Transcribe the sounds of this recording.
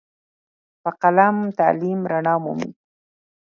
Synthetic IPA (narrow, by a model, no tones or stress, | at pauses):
paqalamt̪a̰limɾaɳɑːmṵmḭ